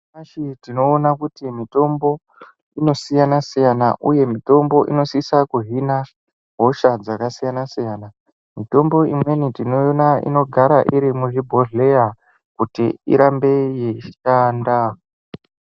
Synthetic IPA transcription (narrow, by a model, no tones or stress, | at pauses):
aʃitino̞ːnakutimito̞mbo̞ | ino̞sijanasijanaʔuje̞mito̞mbo̞ʔino̞sisakuɦina | ɦo̞ʃad͡zakasijanasijana | mito̞mbo̞imwe̞nitinonaḭno̞ɡʱaɾaʔiɾimuʐibʱo̞ɮe̞ja | kutiḭɾambe̞jeʃanda